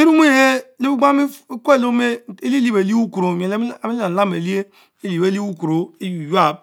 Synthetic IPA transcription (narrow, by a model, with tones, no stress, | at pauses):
i˦ɾu˦m˦i˦˨he˦li˦u˦ɡa˦mi˦kʷe˦˨lo˦me˦˨i˦li˦li˦be˨li˦wu˦ku˨ɾo˨m˨e˨lmi˦a˨n˨la˦me˨li˦e˦ | i˦li˨e˦li˦wu˦ku˨ɾo˨i˦jja˦˨b̚